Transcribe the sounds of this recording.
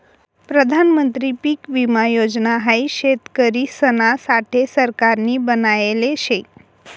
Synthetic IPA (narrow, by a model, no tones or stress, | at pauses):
pɾəd̪ʱanmənt̪ɾipiːkʋimajod͡znaɦajɕet̪kəɾisənasaʈʰesəɾkaɾniːbənajeleɕe